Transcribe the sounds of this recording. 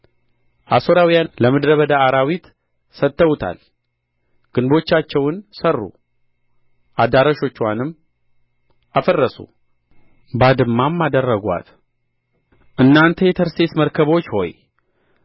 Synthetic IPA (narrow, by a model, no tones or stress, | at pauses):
ʔaso̞ɾawijanləmɨd̪ɾəβəd̪aːɾawit̪ | sət̪ːəwut̪ʰa̰l | ɡ̥ɨnbo̞t͡ʃːat͡ʃːɛwnsərːṵ | ʔad̪aɾəʃo̞t͡ʃːwanɨmː | ʔafərːəsṵ | bad̪ɨmːamːad̪ərːəɡʷa̰t̪ | ʔɨnːant̪ʰəjet̪ʰəɾst̪ʰe̞sməɾkʰəβo̞t͡ʃːho̞̰j